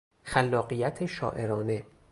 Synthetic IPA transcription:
xælːɒːɢijæt̪ʰeʃɒ̰ːʔe̞ɾɒːne̞

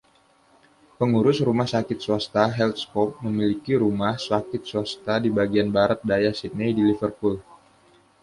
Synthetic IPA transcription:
pəŋuɾʊsrumahsakɪt̪̚suast̪aɦɛlt̪skɔp̚məmilikiɾumahsakɪt̪̚swast̪adibaɡianbaɾat̪̚dajasit̪̚nedilifərpul

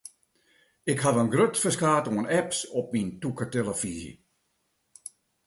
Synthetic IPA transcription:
ɪkhaʋənɡrøtfəskaːtoənɛpsɔp̚mintukəteləfizḭ

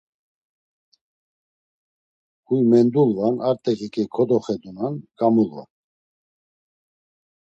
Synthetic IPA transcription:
hujmɛnd̪ulvanaɾt̪ʼɛkikʼɛkʰɔd̪ɔχɛd̪unankʼamulva̰

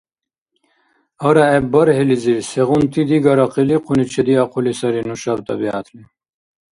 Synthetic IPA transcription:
ɔɾaɛbəɾɦeliziɾsɛɣunt̪ʰid̪iɡɐɾɑqiliqʰunit͡ʃʰɛd̪iaqʰulisɑɾinuʃab̚t̪ʼɑ̰bia̰t̪ʰli

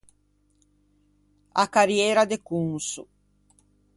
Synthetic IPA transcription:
akaɾjɛːɾad̪ekuŋsṵ

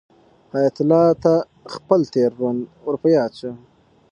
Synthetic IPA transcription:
hɑjat̪ʊlɑt̪a | xpəlt̪eɾːonuɾpəjɑːt͡ʃu

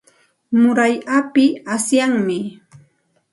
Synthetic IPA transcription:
mʊɾajʔapɪasjaŋmɪ

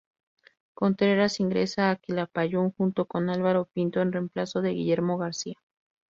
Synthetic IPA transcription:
ko̞nt̪ɾe̞ɾasiŋɡɾe̞̰saːkilapaʝoŋxunt̪o̞ko̞nalβaɾo̞pint̪o̞enre̞mplaso̞ðe̞ɣiʝe̞ɾmo̞ɣaɾsia

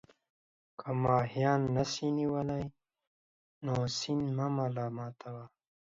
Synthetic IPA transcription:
kɐmaːɦijaːnːɐsiniwɐlɐi | noːsinmɐmalaːmaːt̪ʰawa

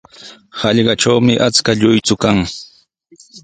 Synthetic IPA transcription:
hɑʎɢɑʈ͡ʂawmɪʔat͡skaʎʊjt͡sʊkaŋ

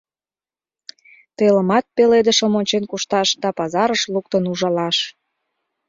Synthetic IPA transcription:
t̪eləmɑt̪̚peled̪əʃə̆monʲt͡ɕenkuʃt̪ɑʃd̪ɑpɑzɑɾəʃluk̚t̪ənuʒɑlɑʃ

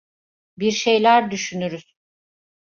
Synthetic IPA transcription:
biɾʃe̞jlʲæɾd̪yʃynyɾyz̥

